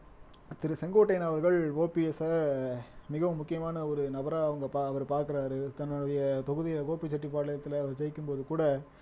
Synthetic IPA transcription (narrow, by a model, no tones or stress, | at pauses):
t̪ɪɾɯsɛŋɡoːʈːɐɪnɐʋɐɾɣɐɭoːpɪɛsɐ | mɪɣɐʋɯmːʊkːɪjɐmaːnɐɔɾɯnɐbɐɾaːɐʋɐŋɡɐpaːɐʋɐɾpaːɾkɯɾaːɾɯt̪ɐnːɯɽɐjɐt̪ɔɣɯðɪjoːpit͡ʃːɐʈːip̬aːɽɐɭɐjɐt̪ːɪlɐːʋɐɾt͡ʃɐjɪkːɯmpoːðɯkuːɽɐ